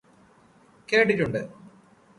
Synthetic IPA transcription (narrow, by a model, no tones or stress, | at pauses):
keːʈitːuɳɖɨ